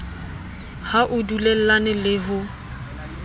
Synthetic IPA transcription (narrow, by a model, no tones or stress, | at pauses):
haʔʊdulɛl̩lanɪlɪɦʊ